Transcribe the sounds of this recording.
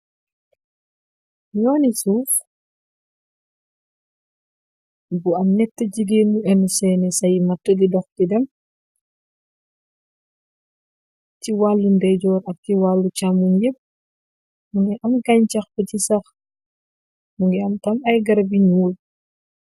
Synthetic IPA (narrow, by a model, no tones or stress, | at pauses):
ɲɔːnisuːx | buɐmnɛtːəɟiɡeːnɲuɛnusɛːnɛsɐjmɐtːədidɔxtidɛm | ciwaːlːundɛɟɔːɾɐk̚tiwalːucamunjep̚ | muŋɡɛʔɐmɡɐɲcɐxbəcisɐx | muŋɡɛɐmtɐmɐjɡɐɾɐbiɲuːl